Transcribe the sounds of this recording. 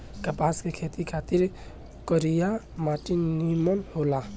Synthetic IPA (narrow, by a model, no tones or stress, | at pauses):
kəpaːskekʰeːt̪ikʰaːt̪ɪɾ | kəɾijamaːʈinnimənhoːlaː